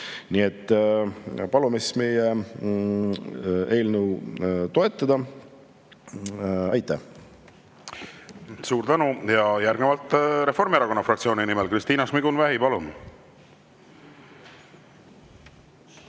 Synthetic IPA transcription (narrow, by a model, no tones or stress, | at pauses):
nie̞t̪ːˑ | pɑlumisme̞je | e̞ːlnuwt̪o̞e̞t̪ːˑɑd̪̥ɑ | ɑjt̪ːˑæ̰h | suːɾt̪ænujɑjærɡ̥nevɑlt̪ˑɾe̞fo̞rmieɾɑko̞nːɑfrɑkt̪sioːninimelkrist̪iːnɑsmiɡ̥unvæɦipɑlun